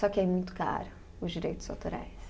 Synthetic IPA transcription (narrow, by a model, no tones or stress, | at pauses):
sɔkɪɛmũj̃t̪ʊ̥ka̰ɾʊ | ʊzd͡ʒiɾejt̪ʊz̥awt̪oɾa̰js